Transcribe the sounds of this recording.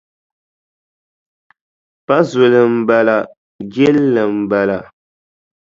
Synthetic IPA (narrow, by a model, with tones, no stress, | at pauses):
pa˦zo˨lɨ˨m̩˨ba˨la˨ | ɡɛ˦lːɨ˨m̩˨ba˨la˨